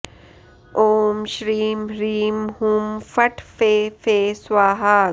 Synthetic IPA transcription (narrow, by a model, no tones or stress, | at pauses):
ʔoːmʃɾiːmɾiːmhũːmfɐʈʰfeːfeːswaːɦaː